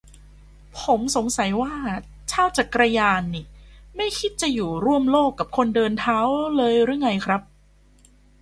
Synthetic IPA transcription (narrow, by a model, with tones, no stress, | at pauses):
pʰo˩˦mso˩˦ŋsa˨˩˦jwaː˥˩ | t͡ɕʰaː˥˩wt͡ɕa˨˩kɾa˧jaː˧nːi˨˩ma˥˩jkʰi˦˥t̪̚t͡ɕa˨˩juː˨˩ɾu˥˩əmloː˥˩kːa˨˩p̚kʰo˧ndɤː˧nt̪ʰaː˦˥wlɤː˧jɾɯ˧˥˩ŋːa˧jkʰɾa˦˥p̚